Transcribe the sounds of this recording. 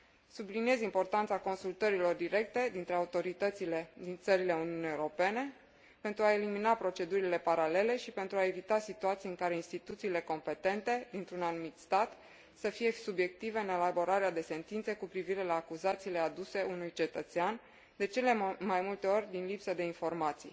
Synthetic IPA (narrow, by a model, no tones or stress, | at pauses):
sublinie̞zimpo̞rt̪ant̪sako̞nsult̪əɾilo̞rd̪iɾe̞k̚t̪e̞d̪int̪ɾe̞aut̪o̞ɾit̪ət̪siled̪int̪səɾile̞uniunijewuɾo̞pe̞ne̞ | pe̞nt̪ɾuae̞liminapɾo̞t͡ʃe̞d̪uɾile̞paɾale̞le̞ʃipe̞nt̪ɾuae̞vit̪asit̪uat̪sijɨŋkaɾe̞inst̪it̪ut̪siːle̞ko̞mpe̞t̪e̞nt̪e̞d̪int̪ɾunanumit̪st̪at̪ | səfije̞subje̞k̚t̪ive̞ɨne̞labo̞ɾaɾead̪e̞se̞nt̪int̪sekupɾiviɾe̞laːkuzat̪siːle̞ad̪use̞unujt͡ʃe̞t̪ət̪sean | d̪e̞t͡ʃe̞le̞majmult̪e̞o̞rʲd̪inlipsəd̪e̞info̞rmat̪sḭj